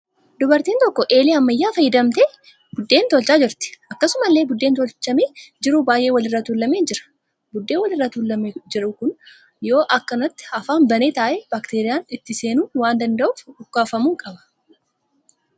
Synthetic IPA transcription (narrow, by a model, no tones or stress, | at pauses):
d̪ʊbɐɾt̪iːnt̪ɔkːɔʔe̞ːliːɐmːɐjːaːfɐjːɪd̪ɐmt̪e | bʊd̪ːe̞ːnt̪ɔlt͡ʃaːd͡ʒɪɾt̪ɪ̥ʔɐkːɐsʊmɐlːe̞ːbʊd̪ːeːnt̪ɔlt͡ʃːɐmeːd͡ʒɪɾʊbaːjʔeːwɐlɪrːɐt̪uːlːɐmeːd͡ʒɪɾɐ̥ | bʊd̪ːe̞ːwɐlɪrːɐt̪uːlːɐmd͡ʒɪɾʊkʊn | jo̞ːʔɐkːɐnɐt̪ːɪ̥ɐfaːnbɐneːt̪aːʔɛbaːkt̪eːɾɪjaːnɪt̪ːɪse̞ːnuːwaːnd̪ɐnd̪ɐʔʊfʊkːaːfɐmuːkʼɐbɐ̥